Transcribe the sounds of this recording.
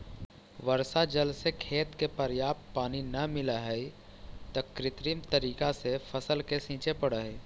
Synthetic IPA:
ʋəɾsad͡ʒəlsekʰeːt̪kepəɾjaːpt̪̚paːninɐmɪlaɦəi | t̪ɐkɾɪt̪ɾimt̪əɾiːkasepʰəsəlkesĩːt͡ʃepəɽəɦ

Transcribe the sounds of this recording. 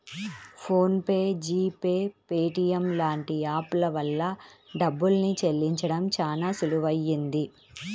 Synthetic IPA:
pʰo̞ːnpeːd͡ʒiːpeːpeːʈijɐmlaːɳʈiaːplɐʋɐlːɐɖɐbːulnit͡ʃelːiɲt͡ʃɐɽɐmt͡ʃaːnaːsuluʋɐjːind̪i

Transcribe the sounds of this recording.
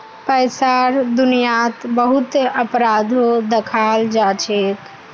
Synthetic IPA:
pəjsaɾd̪unijat̪bəɦut̪əpɾad̪ʱod̪ekʰald͡ʒat͡ʃʰek̪

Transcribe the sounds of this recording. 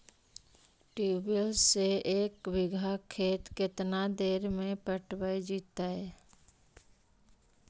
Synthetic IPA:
ʈiːbəlseeːkwɪɡʱakʰːeːt̪kɪt̪nad̪eːɾmẽpəʈʰwəid͡ʒiːt̪ːaɦɛː

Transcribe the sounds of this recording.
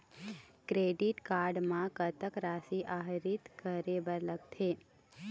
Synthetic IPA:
kɾeɖiʈkaɾɖmãkət̪əkɾasiʔaɦɾit̪kəɾebəɾləɡ̚t̪ʰe

